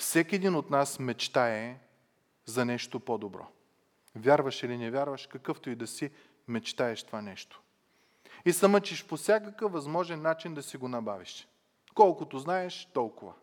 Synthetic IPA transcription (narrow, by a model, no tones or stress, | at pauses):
fsɛkʲiɛd̪inot̪nasmɛt͡ʃt̪aɛ | zɐnɛʃt̪opod̪obɾɔ̰ | vʲjaɾvɐʃilinɛvʲjaɾvɐʃkɐkɤft̪oid̪ɐsi | mɛt͡ʃt̪aɛʃt̪ovanɛʃt̪o̥ | isɐmət͡ʃɛʃposʲjakəkɤvvɐzmɔʒɛnːat͡ʃind̪ɐsiɡonɐbaviʃ | kɔlˠkʊt̪oznaɛʃt̪ɔlˠkʊvɐ